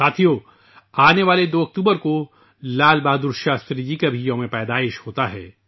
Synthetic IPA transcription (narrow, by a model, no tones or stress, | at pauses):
aːt̪ʰijo | aːneʋaːled̪oːɐk̚t̪uːbəɾko | laːlbaːd̪ʊɾʃaːst̪ɾid͡ʒikabʱijõmẽpɛːd̪aːɪʃhoːt̪aɦɛ̰ː